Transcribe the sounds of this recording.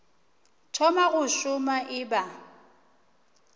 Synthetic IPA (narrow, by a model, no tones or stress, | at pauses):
tʰɔmaɣʊʃʊmaʔɪba